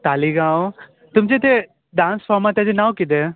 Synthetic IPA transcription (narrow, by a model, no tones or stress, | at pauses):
t̪aːliɡãw | t̪ʊmd͡ʑet̪e | ɖãːnsfamat̪jad͡ʑenãwkɪd̪e